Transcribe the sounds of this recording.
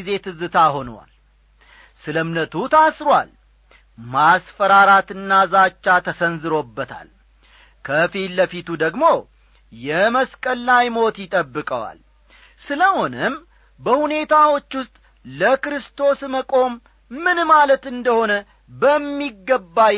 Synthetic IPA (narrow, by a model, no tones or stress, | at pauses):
ze̞t̪ʰɨzɨt̪ʰaho̞nwa̰l | sɨləmnət̪ʰut̪ʰasɾwa̰l | masfəɾaɾat̪ɨnːazat͡ʃːat̪ʰəsənzɨɾo̞bːət̪ʰa̰l | kʰəfilːəfit̪ʰud̪əɡmo̞ | jɛməskʼəlːajmo̞t̪jɪt̪ʼəbːɨkʼəwa̰l | sɨləho̞nəm | bəhune̞t̪ʰawot͡ʃːwʊst̪ʼ | ləkɾɨst̪ʰo̞sməkʼo̞mː | ɨnmalət̪ɨnd̪əho̞nə | bəmːiɡːəbːa